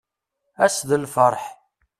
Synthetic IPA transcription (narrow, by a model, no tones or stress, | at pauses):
æsðəlfəɾˤħ